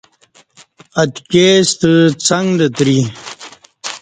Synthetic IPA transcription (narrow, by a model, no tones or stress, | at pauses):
ɐt̪keːst̪ət͡sɐŋɡlət̪ɾi